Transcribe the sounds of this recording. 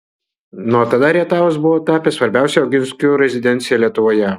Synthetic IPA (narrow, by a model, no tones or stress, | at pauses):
nʊɔt̪ɐd̪ɐɾʲiɛt̪ɑːʋoːs̬bʊʋoːt̪ɑːpʲesʋɐɾʲbʲɛˑʊsʲɛɐʊɡʲɪnʲsʲkʲuːɾʲɛzʲɪd̪ʲɛnʲt̪sʲɪjɛlʲiɛt̪ʊʋoːjɛ